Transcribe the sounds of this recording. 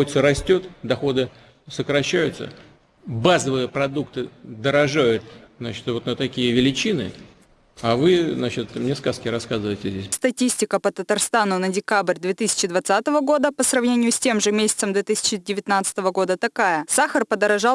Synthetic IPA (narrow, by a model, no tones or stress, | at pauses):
ot̪səɾɐsʲtʲo̞t̪d̪ɐxo̞d̪ɨ | səkɾɐɕːæjʊt̪sə̰ | bazəvɨjəpɾɐd̪ukt̪ɨd̪əɾɐʐajʊt̪̚znat͡ɕɪt̪vo̞t̪nət̪ɐkʲijəvʲɪlʲɪt͡ɕinɨ̰ | avɨznat͡ɕɪt̪mnʲeskaskʲɪɾɐskazɨvəjɪtʲɪzʲdʲesʲst̪ɐtʲisʲtʲɪkəpət̪ət̪ɐrst̪anʊnədʲɪkabrʲd̪vʲet̪ɨsʲɪ̥t͡ɕɪd̪vɐt̪sat̪əvəɡo̞d̪əpəsrɐvnʲenʲɪjʊsʲtʲe̞mʐɨmʲesʲɪ̥t̪səmd̪vʲet̪ɨsʲɪ̥t͡ɕɪdʲɪvʲɪt̪nat̪sə̥t̪əvəɡo̞d̪ət̪ɐkajəsaxərpəd̪əɾɐʐɑ